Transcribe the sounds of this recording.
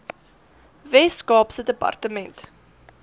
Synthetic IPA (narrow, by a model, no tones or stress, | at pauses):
vɛskɑːpsədəpɐ̰rtəmɛnt